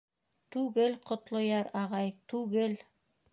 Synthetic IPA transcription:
t̪ʉɡɘlqŏt̪lˠŏjɑɾɑʁɑjt̪ʉɡɘl

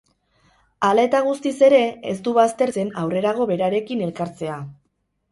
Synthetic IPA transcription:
alaet̪aɣ̞ust̪ise̞ɾe̞ḛst̪uβast̪e̞ɾt͡se̞nawre̞ɾaɣ̞o̞βe̞ɾaɾe̞kine̞lkaɾt͡se̞a

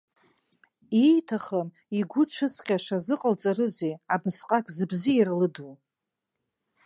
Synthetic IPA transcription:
ijtʰaχam | iɡʷʊt͡ɕʷʰɨsqʲʼaʂazɨqʼəlt͡sʼaɾɨzeabɨsqʼakʰʼzɨbzijɾlɨdu

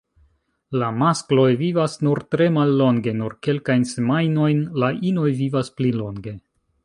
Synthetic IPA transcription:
lamasklo̞jvivasnuɾtɾe̞malːo̞ŋɡe̞nuɾke̞lkajnse̞majno̞jnlaʔinojvivasplilo̞ŋɡe̞

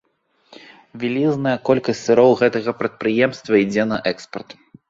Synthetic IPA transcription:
vʲilʲiznɐjɐkɔlʲkɐsʲt̪ʲsɨɾɔwɣɛt̪ɐɣɐpɾɐt̪̚pɾɨjɛmst̪vɐid͡zʲɛn̪ɐʔɛkspɐrt̪

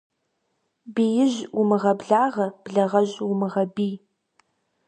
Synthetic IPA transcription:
biːjɪʑʊmɨʁɐbɮaːʁɐb̥ɮɐʁɐʒʑwʊmɨʁɐbiː

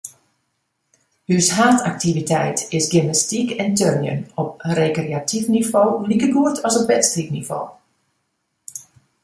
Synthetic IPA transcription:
hyshaːtʰak̚tivitɛ̰jtɪsɡɪmnastikɛntønjə̰nɔp̚rekreatifnivoːlikərɡuətʰɔsɔp̚bɛtstriknivo̰ː

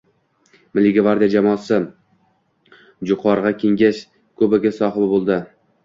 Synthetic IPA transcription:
mɪlːɪɡʲavaɾd̪ijad͡ʒamɒːsɪ | d͡ʒʊqʰɒɾʁɑkʲʰeŋɡʲaʃ | kʰɵbɪɡʲasɒhɪbbolˠd̪ɪ

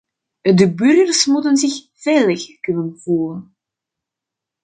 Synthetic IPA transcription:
dəbʏrɣərsmutənzɪx | veːləxkʏnənv̥uːlən

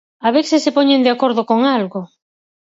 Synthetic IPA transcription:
aβeθɪsepɔɲend̪eakoɾðokoŋalɣʊ

